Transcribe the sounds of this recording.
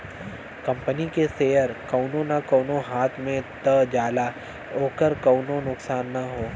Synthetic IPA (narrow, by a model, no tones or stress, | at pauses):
kɐ̃mpənikeseːjəɾkɐːʊnõnakoːnõɦaːt̪ʰmẽt̪əd͡ʒaːla | oːkəɾkɐːnõnʊksaːnːɐɦoː